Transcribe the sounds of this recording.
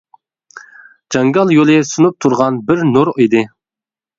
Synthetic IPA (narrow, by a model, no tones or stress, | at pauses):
d͡ʒɑŋɡɑlˠjolˠɪsunup̚t̪ʰuɾʁɑnbɪɾnuɾid̪ɪ